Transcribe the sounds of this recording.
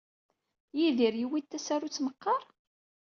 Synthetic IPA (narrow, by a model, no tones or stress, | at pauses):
jiðiɾjiwit̪ːæsæɾut͡sːməqːɑɾˤ